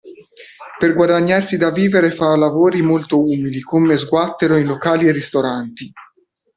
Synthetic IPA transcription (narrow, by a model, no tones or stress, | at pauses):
perɡwad̪aɲːarsid̪aviːveɾefalavoːɾimolt̪ouːmilikomezɡwat̪ːeɾoinlokaːlierːist̪oɾant̪i